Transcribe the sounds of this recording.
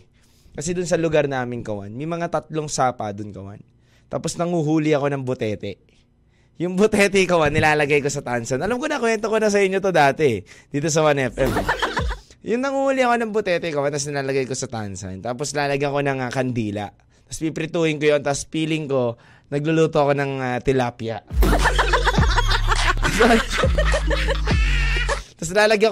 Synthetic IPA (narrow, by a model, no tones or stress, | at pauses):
kɐsɛd̪ʊnsɐlʊɡaɾnaːmɪnkɐwa̰nmɐjmɐŋat̪ɐt̪̚loŋsaːpɐd̪ʊnkɐwa̰n | t̪a̰ːpo̞snɐŋuɦuːlɪɐko̞nɐŋbʊt̪ɛːt̪ɛ | jʊŋbʊt̪ɛt̪ɛkɐwanːɪlaːlɐɡajko̞sɐt̪ansɐnʔɐlamkonɐkwɛnt̪okonɐs̬ɐɪɲːot̪o̞d̪aːt̪ɛɛd̪̥iːt̪os̬ɐwanʔɛfʔɛm | jʊŋnɐŋulɪɐko̞nɐŋbʊt̪ɛt̪ɛkɐwant̪ɐs̬nɪlaːlɐɡajko̞sɐt̪a̰nsɐ̰nt̪aːposlaːlɐɡaɐko̞nɐŋkɐnd̪iːlɐ̰ | t̪ɐspipɾɪt̪uːhɪŋkojo̞nt̪ɐspiːlɪŋko̞ | nɐɡ̚lʊluːt̪o̞ʔɐko̞nɐŋat̪ɪlaːpjɐ̰ | t̪ɐs | t̪ɐslaːlɐɡa